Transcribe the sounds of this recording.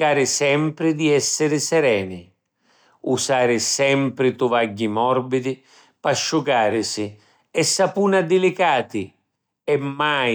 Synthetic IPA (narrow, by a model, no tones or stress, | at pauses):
aːɾɪsɛmpɾɪd̪iɛsːɪɾɪsɛɾɛːnɪ | usaːɾɪsɛmpɾɪt̪ʊvaɟːimɔrbid̪ɪ | paʃːuɡaːɾɪsɪ | ɛsːapuːnad̪ɪlɪkaːt̪ɪ | ɛmːaj